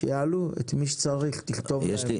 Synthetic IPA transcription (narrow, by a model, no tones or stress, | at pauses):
ejaaluḛt̪miʃ̬e̥t͡saʁiχtiχt̪o̞ve